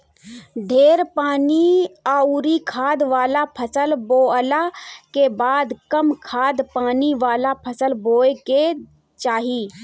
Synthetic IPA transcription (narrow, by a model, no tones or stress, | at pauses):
d̪ʱeːɾpaːniauɾikʰaːd̪ʋaːlapʰəsəlboːəlakebaːd̪kəmkʰaːd̪paːniʋaːlapʰəsəlboːeke | t͡ʃaːɦiː